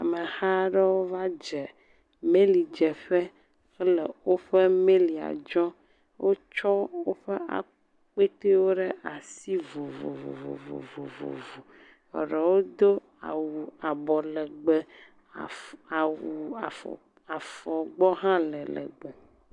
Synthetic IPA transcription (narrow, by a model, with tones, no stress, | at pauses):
a˨me˨ha˦ɖɛ˦wo˦va˦d͡ʒɛ˨ | me˦li˨d͡ʒɛ˨ɸɛ˦ | xɛ˦le˨wo˦ɸe˦me˦li˨a̰˨d͡ʒɔ˦ | wʔo˦t͡ʃɔ˦wo˦ɸɛ˦a̰˨ | k͡pe˦t̪e˦wo˦ɖe˦a˨si˦vo˨vo̰˨vo̰˨vo̰˨vo̰˨vo̰˨vo̰˨vo˨ | ɛ̰˨ɖɛ˨wo˦d̪o˦ | a̰˨wu˨a˨bɔ˨lɛ˨ɡ͡bɛ˦˨ | wu˨a˨f | a˨fɔ˨ɡ͡bɔ˦ɦã˦lɛ˨lɛ̰˨ɡ͡bo˨